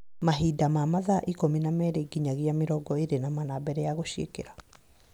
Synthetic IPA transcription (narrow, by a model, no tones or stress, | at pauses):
maɦidamamaðaʔikominamɛːɾeɡiɲaɣiameɾɔɡɔeɾenamanabɛɾɛjaɣoɕiḛkḛɾa